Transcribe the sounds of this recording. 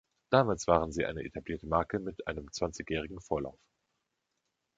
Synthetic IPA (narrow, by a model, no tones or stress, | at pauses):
d̥aːmaːlsv̥aːʁənziːʔaɪnəʔḛtʰabliːɐtəmaɐkəmɪtʔa̰ɪnəmt͡sv̥ant͡sɪçjɛːʁ̞ɪɡŋ̩foːɐla̰ʊf